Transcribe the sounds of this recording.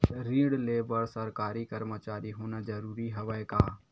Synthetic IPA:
ɾiːɽleːbəɾsəɾkaːɾikəɾmət͡ʃaːɾiɦoːnad͡ʒɐɾuːɾiɦɐʋəekaː

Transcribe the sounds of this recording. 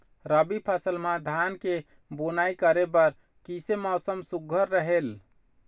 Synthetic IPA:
ɾəbipʰasəlmãd̪ʱanke | bonaikəɾebəɾ | kisemɔsəmsuɡʱəɾːəɦel

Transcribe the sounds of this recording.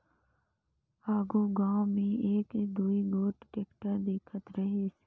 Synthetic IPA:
aːɡuːɡãːõmẽːeːkd̪uːiɡoːʈʈeːkʈəɾd̪eːkʰət̪ɾəɦeːs

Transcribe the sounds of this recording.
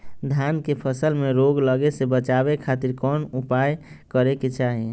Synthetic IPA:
d̪ʱankepʰəsəlmeɾoɡləɡesebət͡ʃabekʰat̪iɾkɔnupaj | kəɾeket͡ʃaɦi

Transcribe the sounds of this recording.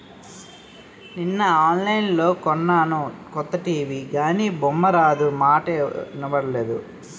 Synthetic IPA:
ninːɐaːnlɐjnlo̞ːkɔnːaːnukɔt̪ːɐʈiːʋiːɡaːniːbɔmːɐɾaːd͡ʒ̪umaːʈeːnɐbɐɽɐle̞ːd̪ṵ

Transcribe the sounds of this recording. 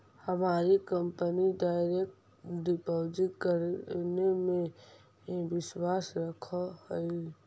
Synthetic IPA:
həmaːɾikə̃mpənidaːɪɾek̚ʈ | ɖɪpoːd͡ʒɪt̪̚kəɾnemẽ | bɪswaːsɾəkʰahoi

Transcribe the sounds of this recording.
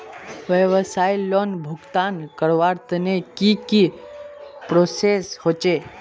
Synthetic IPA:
ʋəʋəsajlonbʱukt̪ankəɾʋaɾt̪ənekiki | pɾoseshot͡ʃe

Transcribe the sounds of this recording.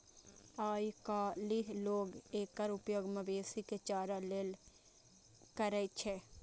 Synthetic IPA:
aːjkaliɦloːɡeːkːəɾʊpjoːɡmɐbeːsiket͡ʃaːɾaleːl | kəɾət͡ʃʰe

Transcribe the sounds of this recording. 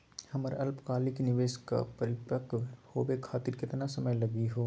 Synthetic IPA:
hɐməɾɐlpkaːliknɪʋeːʃka̰pɐɾɪpəkhoːbekʰaːt̪ɪɾkɪt̪nasɐməjlɐɡiɦoː

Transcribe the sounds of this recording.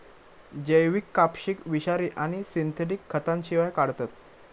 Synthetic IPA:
d͡ʑəjʋikːapɕikʋiɕaɾiːʔaɽ̃isint̪ʰeʈ̬ikʰːət̪anɕiʋajkaɽt̪at̪̚

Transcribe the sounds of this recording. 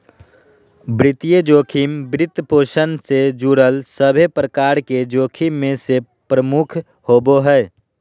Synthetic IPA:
bɾɪt̪ijəd͡ʒoːkʰimbɾɪt̪poːʃənsed͡ʒuɾəlsəbʱepɾəkaːɾked͡ʒoːkʰimːẽse | pɾəmukʰ | hoːboɦɛɛ

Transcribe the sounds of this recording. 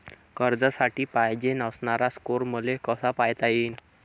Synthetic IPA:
kəɾd̪əsaʈiːpajd͡ʑenəsɳaɾaskoɾməlekəsapajt̪aiːn

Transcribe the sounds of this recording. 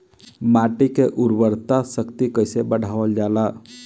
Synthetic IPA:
maːʈikeʔʊɾbəɾt̪asəkt̪ikəɪsebəɽ̤ʱaːʋəld͡ʒaːlaː

